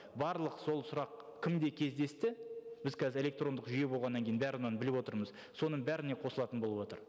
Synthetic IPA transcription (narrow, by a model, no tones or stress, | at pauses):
bɑɾlˠəqso̞lˠsʊɾɑqkʲʰɪmd̪e̞kʲʰe̞zd̪e̞st̪ɪb̥ɪzkʰɑzɪɾe̞lʲe̞k̚t̪ro̞nd̪əqʒʏje̞bo̞lˠʁɑnːɑŋkʲejnbæɾnɑnbɪlɪpwo̞t̪əɾməz | so̞nəɴbæɾɪne̞qʰo̞səlˠɑt̪ənbo̞lˠəpwot̪əɾ